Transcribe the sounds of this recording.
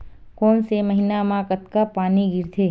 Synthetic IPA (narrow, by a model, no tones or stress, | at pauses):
konseməɦinamãkət̪kapaːniɡɪɾt̪ʰe